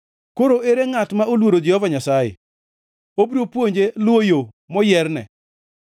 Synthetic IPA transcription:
koɾoʔeɾeŋatmaolwoɾod͡ʒehɔvaɲasajḛ | obɾopwoɲd͡ʒelwojo | mɔjɛrnɛ̰

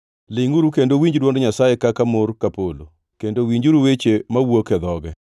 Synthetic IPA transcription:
lɪŋuɾukendowiɲd͡ʒdwɔndoɲasajekakamorkapolo̰ | kendowiɲd͡ʒuɾuwet͡ʃemawokɛd̪ɔɡɛ

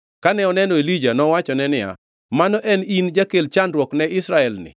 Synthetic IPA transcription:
kanɛɔnɛnɔelid͡ʒanɔwat͡ʃɔnɛnɪja̰ | manɔʔɛnind͡ʒakelt͡ʃandɾwɔknɛʔɪsɾaɛlnɪ̰

